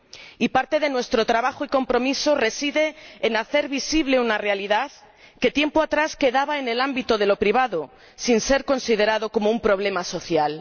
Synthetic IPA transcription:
ipaɾt̪e̞ðe̞nwe̞st̪ɾo̞t̪ɾaβaxoiko̞mpɾo̞miso̞re̞siðe̞ːnaθe̞ɾβisiβle̞unarealiðað | ke̞t̪je̞mpoat̪ɾaske̞ðaβae̞ne̞lambit̪oð̞e̞lo̞pɾiβ̞aðo | sinse̞ɾko̞nsið̞e̞ɾaðo̞ko̞moumpɾo̞β̞le̞maso̞θjal

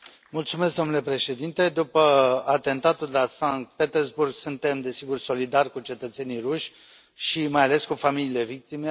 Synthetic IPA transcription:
mult̪sume̞s̬kɡ̚d̪onule̞pɾe̞ʃe̞d̪int̪e̞d̪upəat̪e̞nt̪at̪uld̪elasaŋk̚t̪̚pe̞t̪erzburɡsunt̪e̞md̪e̞siɡurso̞lid̪arʲkut͡ʃe̞t̪ət̪se̞nijruʃʲ | ʃimajale̞skufamiliːle̞vik̚t̪ime

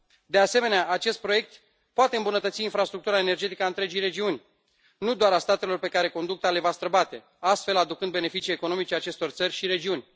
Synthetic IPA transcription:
d̪ease̞me̞neaʔat͡ʃe̞st̪̚pɾo̞je̞k̚t̪ | poat̪eɨmbunət̪ət̪siːnfɾast̪ɾuk̚t̪uɾaene̞rd͡ʒe̞t̪ikəaɨnt̪ɾe̞d͡ʒijɾe̞d͡ʒiunʲ | nud̪oaɾast̪at̪e̞lo̞rpe̞kaɾe̞ko̞nd̪uk̚t̪ale̞vast̪ɾəbat̪e̞ | ast̪fe̞lad̪ukɨnd̪bene̞fit͡ʃiekono̞mit͡ʃeat͡ʃe̞st̪o̞rt̪sərʲʃiɾe̞d͡ʒiunʲ

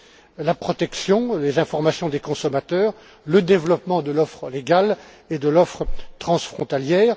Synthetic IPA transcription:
lapχɔt̪ɛksjɔ̃lezɛ̃fɔʁmasjɔ̃d̪ekɔ̃sɔmat̪œːʁ | ləd̪evlɔpmɑ̃d̪əlɔfχəleɡal | ed̪əlɔfχət̪χɑ̃sfχɔ̃t̪aljɛːʁ

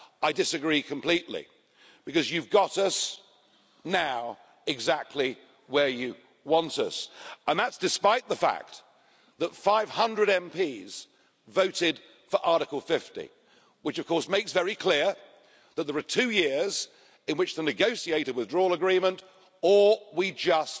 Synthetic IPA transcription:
aɪdɨsɨɡɹikʰə̃m̩pʰl̥iʔˡlḭ | b̥ɨkʌzjʉvɡɑɾʌs | naʊ | ɨɡzæk̚tʰˡli | wə˞jɨ | wɑ̃ntʌsə̃nðætsd̥ɨspaɪt̪̚ðəfæ̰k̪̚ | ðətfaɪv̥hʌ̃ndɹɨɾɛ̃mpʰiz̥ | voʊɾɪd̥ | fə˞ʔɑɹɾɨkəl̩ˠfɪftḭ | wɨt͡ʃʌv̥kʰɔɹsmeɪksvɛɹikʰl̥ɪɹ | ðət̪̚ðə˞ətʰʉjɪɹz | ɨ̃nwɨt͡ʃðənɨɡoʊsieɪɾəwɨðdɹɔlˠəɡɹĩmə̃nt | ə˞wid͡ʒʌs

